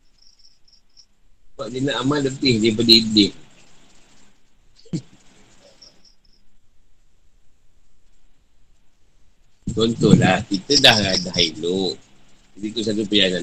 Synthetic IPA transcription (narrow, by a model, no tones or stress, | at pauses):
kaʔdənaʔamaləpɪhdip̬ədiːdɪh | t͡ʃɔnt̪ɔhlahkit̪ədahɾadaɦiloʔd͡ʒadit̪us̬at̪̬upəjaŋa